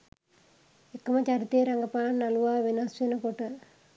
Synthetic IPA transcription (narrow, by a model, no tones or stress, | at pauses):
ekːəmət͡ʃaɾit̪ejəɾaŋɡəpaːnːaluʋaːʋenasʋenəkoʈə